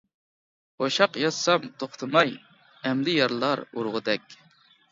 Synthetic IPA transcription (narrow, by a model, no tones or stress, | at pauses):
oʃɑqjɑssɑmt̪ʰoχt̪ʰɨmɑj | ɛmd̪ɪjɑɾlˠɑɾṵɾʁʊd̪ɛkʲ